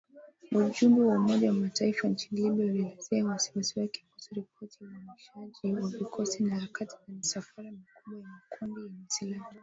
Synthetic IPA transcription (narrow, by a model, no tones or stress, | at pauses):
uʄumbɛwaumɔʄawamataifant͡ʃiniliɓiaulilɛzɛawasi̥wasiwɛki̥kusɔɾipʰɔtijauaniʃaʄiwavikʰɔsinaɾakatizamisafaɾamikuɓwajamakumbijaɲɛsilama